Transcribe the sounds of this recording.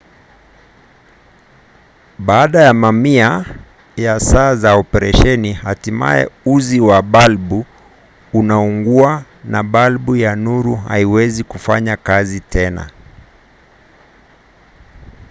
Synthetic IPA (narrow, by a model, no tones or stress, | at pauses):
ɓaːɗajamamia | jasaːzaɔpɛɾɛʃɛnihatima̰jɛ̰uziwaɓalɓu | unauŋɡua | naɓalɓujanuɾuɦa̰iwɛzikufa̰ɲakazitɛna̰